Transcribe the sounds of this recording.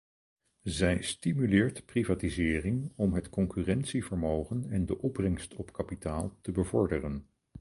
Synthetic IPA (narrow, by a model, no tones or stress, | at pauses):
zɛjstimylɪːɹtprivaːtizɪːrɪŋɔmɦətkɔŋkyrɛntsivəɹmowχənɛndəʔɔbrɛŋstʰɔpkapitaːlˠtəbəvɔɹdərən